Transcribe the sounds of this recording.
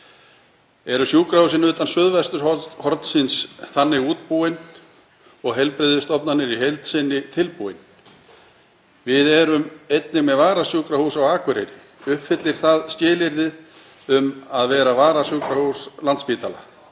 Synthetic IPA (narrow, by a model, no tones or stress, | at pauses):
ɛɾʏsjuːkɾahus̬ɪnʏːt̪ansʏðvast̪ʏɾ̥hɔhɔɾt̪sɪnsθanːɪɣuːt̪̚puɪn | ɔɣɦɛlpɾɪðʏst̪ɔpnanɪɾiɦejlt̪sɪnːɪt̪ʰɪlpuɪn | vɪðɛɾʏmejt̪nɪɣmɛðvaːɾasjuːkɾahusawaːkvʏɾejɾɪ | ʏhpfɪt̪lɪɾ̥θaðscɪːlɪɾðɪð | ʏmaðvɛːɾavaːɾasjuːkɾahuslant̪spiːt̪ala̰